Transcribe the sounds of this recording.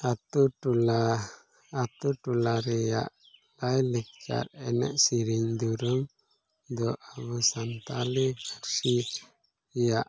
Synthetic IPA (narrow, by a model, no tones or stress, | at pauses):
at̪uʈulaː | t̪uʈulaɾɛja̰ʔ | lajlɛk̚t͡ʃa̰ɾɛnɛ̰ʔsiɾiɲd̪uɾɔm | d̪ɔʔaβusant̪alɛkaɾsi | jaʔ